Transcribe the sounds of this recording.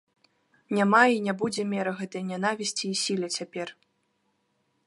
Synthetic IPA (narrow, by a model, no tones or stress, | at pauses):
nʲamainʲabud͡zʲɛmʲɛɾɐɣɛt̪ɐjnʲanavʲisʲt͡sʲiːsʲilʲɛt͡sʲapʲɛr